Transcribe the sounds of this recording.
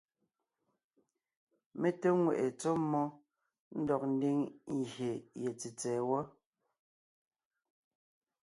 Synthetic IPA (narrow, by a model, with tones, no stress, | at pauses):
me˦te˦ŋwe˨ʔe˨t͡so˦mːɔ˦ | n̩˦dɔ˨k̚n̩˦di˦ŋ˨ɣje˨jɛ˨t͡si˨t͡sɛː˨wɔ˦